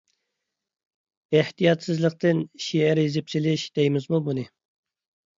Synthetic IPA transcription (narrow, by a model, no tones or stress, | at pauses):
eht̪ijɑt̪sɨzlˠəq̚t̪ɨnʃiɛɾizɪpsɪlɪʃd̪̥ejɪmɪzmubunɨ